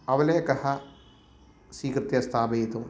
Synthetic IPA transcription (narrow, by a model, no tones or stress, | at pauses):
ɐʋɐleːkɐha | siːkɾt̪jɐst̪ʰaːbejt̪o